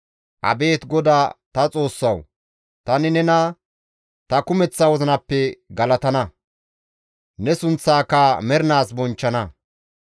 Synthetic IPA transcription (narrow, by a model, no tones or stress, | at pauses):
ʔɐ̰be̞ːt̪ɡɔd̪aːt̪ɐt͡sʼo̞ːsːɐw | t̪ɐnɪnɛnɐ | t̪ɐkʊmɛt͡sːɐwɔzɐnɐpːɛɡɐlɐt̪ɐnɐ | nɛsʊnt͡sːaːkːɐmɛɾɪnaːsbɔnt͡ʃːɐnɐ